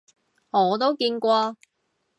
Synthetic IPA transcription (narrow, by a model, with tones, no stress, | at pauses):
ɔː˨˧t̪̬o˥wkiː˧nkʷɔː˧